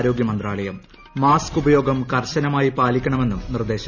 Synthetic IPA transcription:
ɾo̞ːɡjɐmɐnd̪raːɭɐjɐmː | aːskubɐjo̞ːɡɐmkɐrɕɐnɐmaːjipaːlikʲːɐɳɐme̞nːumnird̪e̞ːɕɐ

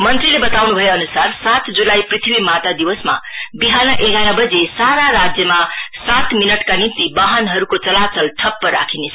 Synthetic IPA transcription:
mʌnt̪ɾilebʌt̪awnubʱʌjeʌnusarsat̪d͡zulaiprit̪ʰibimat̪ad̪iwʌsma̰biɦanʌʔeɡʱaɾʌbʌd͡zesaɾaɾad͡zjʌmasat̪minʌʈkanint̪ibaɦʌnɦʌɾukot͡sʌlat͡sʌlt̪ʰʌpːʌɾa̰kʰinesʰ

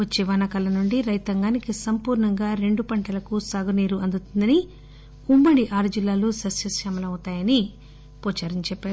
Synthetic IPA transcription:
ʋɐt͡ʃːeʋaːnɐkɐlɐnuɳɖiɾɐjt̪ɐŋɡaːnikisɐmpuːɾɳɐŋɡaːɾe̞ɳɖupɐɳʈɐlɐkusaːɡuniːɾuɐnd̪ut̪und̪ɐni | umbɐɽiʔaːɾud͡ʒilːaːluːsɐsjɐsʃaːmɐlɐɐt̪aːjɐni | pɔːt͡ʃaːɾɐɲt͡ʃɛpːaːɾu

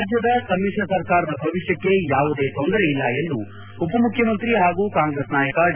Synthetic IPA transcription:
d͡ʒjɐd̪ɐkɐmːiʂɾɐsɐɾkaːɾɐd̪ɐbʱɐʋiʂjɐkːe̞jaːʋud̪e̞ːt̪ond̪ɐɾeilːɐend̪u | upɐmukʰjɐmɐnt̪ɾiɦaːɡuːkaːŋɡɾesnaːjɐkɐ

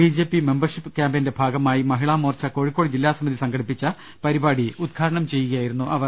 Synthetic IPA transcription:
bid͡ʑeːpːime̞mbɐrʂipːɨkjaːmbende̞bʱaːɡɐmaːjimɐɦiɭaːmoːrt͡ɕːɐko̞ːɻikːo̞ːɽid͡ʑilːaːsɐmiðisɐŋɡɐɽipːit͡ɕːɐ | pɐɾibaːɽiud̪̚ɡʰʱaːɾɐɳɐmt͡ɕe̞jːuɣɐjaːjiɾunːuʔɐʋɐ

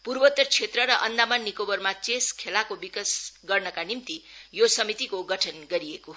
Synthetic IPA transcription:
purbʌt̪ːʌrt͡sʰet̪rʌɾʌʔʌnd̪amʌnːikobʌrmat͡seskʰelakobikʌsɡʌrnʌkanimt̪ijosʌmit̪ikoɡʌʈʰʌnɡʌɾijeko

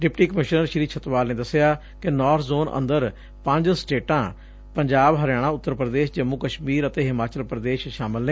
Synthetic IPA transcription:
ɖɪpʈiːkəmɪʃnəɾʃɾiːt͡ʃʰət̪ʋaːlnẽːd̪əsɪjaː | kɪnɔːɾt̪ʰzoːnʔə̰̃nd̪əɾ | pə̃ɲd͡ʒsʈeːʈãː | pəɲd͡ʒaːbɦəɾɪjaːɽ̃ãːʊt̪ːəɾpɾəd̪eːʃd͡ʒəmːʊkəʃmiːɾət̪eːɦɪmaːt͡ʃəlpɾəd̪eːʃʃaːmɪlneː

